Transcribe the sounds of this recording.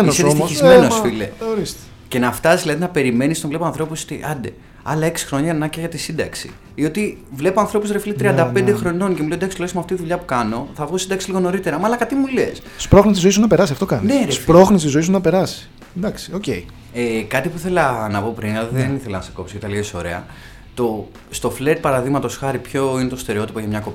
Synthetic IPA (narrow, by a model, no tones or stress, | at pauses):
nsost̪sizmenoffilḛoɾist̪ | ce̞nɐft̪ɐsizlɐðinɐpe̞ɾime̞nist̪onvle̞poɐnθɾo̞pusot̪iʔɐnd̪e | ɐlɐe̞ksi̥xɾo̞ɲɐnnɐceʝɐt̪isind̪ɐksḭ | io̞t̪ivlepoɐnθɾo̞puzɾeflit̪ɾiɐnd̪ɐpe̞nd̪exɾo̞no̞ncemuld̪ɐkslosmɐft̪iiðuʎɐpukɐno̞θɐvɣosind̪ɐksiliɣono̞ɾit̪e̞ɾɐmɐːlɐkɐt̪imule̞̰s | spɾoxnisizoisunɐpe̞ɾɐsiɐft̪o̞kɐnneɾespɾoxnist̪izo̞isunnɐpe̞ɾɐsi̥ | d̪ɐksi̥o̞cḛi | ekɐt̪ipuiθe̞lɐnɐpo̞pɾinɐðeniθelɐnɐseko̞psoket̪ɐliesoɾe̞̰ɐ̰ | t̪o̞ | st̪o̞fled̪̚pɐɾɐðiɣmɐt̪o̞sxɐɾipço̞inet̪ost̪e̞ɾeo̞t̪i̥poçɐmɲɐko̞p